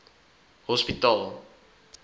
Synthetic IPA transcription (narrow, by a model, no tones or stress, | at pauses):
hɔspitɑlˠ